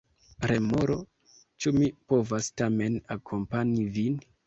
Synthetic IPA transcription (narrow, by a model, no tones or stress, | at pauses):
ɾemoɾo̞ | t͡ʃumipo̞vastame̞nakʰo̞mpaɲivin